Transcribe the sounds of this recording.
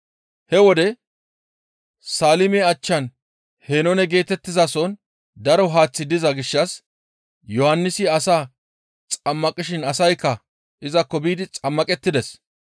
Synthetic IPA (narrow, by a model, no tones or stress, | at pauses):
hɛwɔd̪ɛ | saːlɪmeːɐt͡ʃːɐn | heːnɔnɛɡe̞ːt̪ɛt̪ːɪzɐsɔn | d̪ɐɾɔɦaːt͡sːɪd̪ɪzɐɡɪʃːɐs | jɔhɐnːɪsɪɐsaː | t͡sʼɐmːɐkʼɪʃɪnɐsɐjkːɐ | ʔɪzɐkːɔbiːd̪ɪt͡sʼɐmːɐkʼɛt̪ːɪd̪ɛs